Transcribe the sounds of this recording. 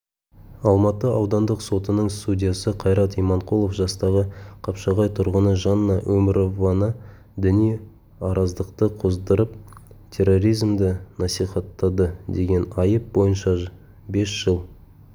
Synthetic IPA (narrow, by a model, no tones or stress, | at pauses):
ɑlˠmɑt̪əɑwd̪ɑnd̪əqso̞t̪ənəɴst̪udʲijasəqʰɑjɾɑt̪ijmɑɴqʰulˠofʒɑst̪ɑʁəqʰɑpʃɑʁɑjt̪ʰʊɾʁənəʒɑnəːɑwʔɵmɪɾo̞vɑnə | d̪ɪnij | ɑɾʔɑzd̪əqt̪əqʰozd̪əɾəpt̪ʲʰe̞rːo̞ɾijzmd̪ɪnɑsijχɑt̪ːɑd̪əd̪e̞ɡʲe̞nɑjəp̚bo̞jənʃɑ | be̞sʒ̥əlˠ